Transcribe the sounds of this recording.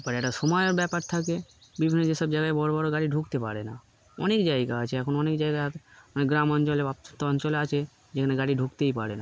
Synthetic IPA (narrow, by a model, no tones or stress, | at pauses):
paɾɛʈaʃɔmɔjoɾbɛpaɾt̪ʰakebibʱinːod͡ʑeʃɔbd͡ʑaɡaebɔɽobɔɾoɡaɽiɖʱukt̪epaɽena | ɔnekd͡ʒajɡaat͡ʃʰeɛkʰonɔnekd͡ʒajɡaat̪ɔnekɡɾamɔnt͡ʃɔleapt̪t̪ɔɲt͡ɕɔleat͡ʃʰe | d͡ʒekʰaneɡaɽiɖʱukt̪ejpaɽena